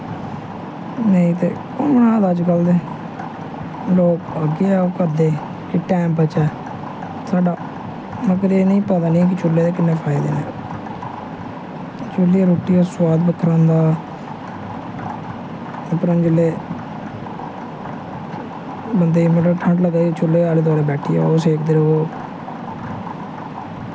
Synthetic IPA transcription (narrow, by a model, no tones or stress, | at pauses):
nəĩːt̪eː | onnãːd̪aːd͡ʒkəld̪eː | loːkəɡɪɛːoːkəɾd̪eː | kɪʈɛ̃ːmpət͡ʃɛː | saːɖaː | mək̬ɾinəĩːpəd̪aːnĩːk̬ɪt͡ʃʊlːeːd̪eːkɪnːẽːpʰaːɪd̪ḛːnḛː | t͡ʃʊliːɾoːʈiːosʊwaːd̪̚bək̪ʰːɾãːnd̪aː | pɾə̃nd͡ʒəleː | bənd̪eːməʈːʈʰə̃ɳʈləɡaːit͡ʃʊlːeːaːleːt̪̬ʊaːɽeːbɛːʈʰiːa̰ːoseːkʰd̪eːɾeoː